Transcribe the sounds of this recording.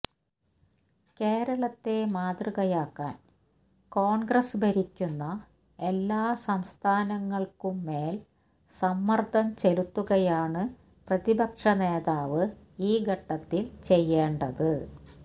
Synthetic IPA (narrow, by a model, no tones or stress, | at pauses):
ke̞ːɾɐɭɐt̪ːe̞maːd̪rɨɣɐjaːkːaːn | ko̞ːɳɡrɐsbʱɐɾikʲːunːɐ | e̞lːaːsɐmst̪ʰaːnɐŋːɐɭkumːe̞ːl | sɐmːɐrd̪ʱɐmt͡ɕelut̪ːuɣɐjaːɳɨ | prɐðibɐkʂɐneːðaːʋɨ | iːɡʱɐʈːɐt̪ːilt͡ɕe̞jːeːɳɖɐðɨ